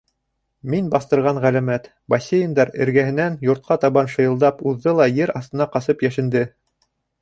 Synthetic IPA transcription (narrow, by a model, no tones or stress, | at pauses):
minbɑθt̪ɤ̆ɾʁɑɴʁælæmæt̪ | bɐsʲːejɤ̆nd̪ɑɾɘ̰̆ɾɡæhɘ̆nænjŏɾt̪̚qʰɑt̪ɑβɑnʃɤ̆jɤ̆lˠd̪ɑpuðːɤlˠɑjɘɾɑθt̪ɤ̆nɑqɑsɤpjæʃɘ̆nd̪ɘ